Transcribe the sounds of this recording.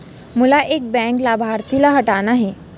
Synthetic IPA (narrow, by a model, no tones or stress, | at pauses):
mulaʔeːk̚bɛ̃ŋklabʱaɾt̪ʰilaɦəʈanaɦe